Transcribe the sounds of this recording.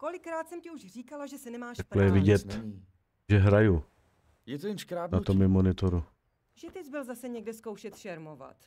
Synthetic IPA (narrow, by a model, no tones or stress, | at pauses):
kolɪkɾaːt̪sɛmcɪuʒr̝iːkalaʒɛsɪnɛmaːʃḁklɛjɛvɪɟɛt̪ː | ʒɛɦɾaju | jɛt̪ojɛnkɾaːdnat̪omɪmonɪt̪oɾu | ʒɛt̪ɪzbɪlzasɛɲɛɡdɛsko̞wʃɛt̪ʃɛɾmova̰t̪